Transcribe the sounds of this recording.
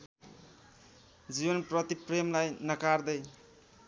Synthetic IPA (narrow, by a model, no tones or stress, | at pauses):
d͡ʒibʌnpɾʌt̪ipɾemlajnʌkaɾd̪ʌj